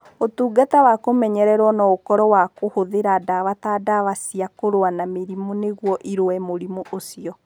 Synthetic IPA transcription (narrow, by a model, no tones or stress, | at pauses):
otuːɡatawakomɛɲɛɾɛɾwɔnɔokɔɾɔwakohoðeɾadaβatadaβasiakoɾoanameɾimuneɣwɔʔiɾoɛmoɾimuʔosiɔ